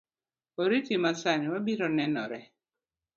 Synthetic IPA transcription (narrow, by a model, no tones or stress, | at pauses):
oɾitimasaniwabiɾɔnɛnɔ̰ɾɛ